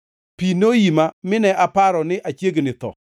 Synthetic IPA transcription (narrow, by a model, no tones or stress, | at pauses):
pinojimamɪnɛʔapaɾɔnɪʔat͡ʃjeɡnɪt̪ɔ̰